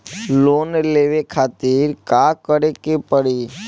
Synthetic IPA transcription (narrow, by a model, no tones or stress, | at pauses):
loːnleʋekʰaːt̪ɪɾkakəɾekepəɽiː